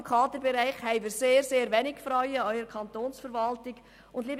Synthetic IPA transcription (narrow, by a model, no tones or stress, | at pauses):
mkʰɑːd̪əbɛɾæɪχhɛɪviːseːɾseːɾvɛnɪkfɾɔʏəœʏɾəkʰɑntoːnsfəɾvɑltɪɡ̥ | ʊndliːb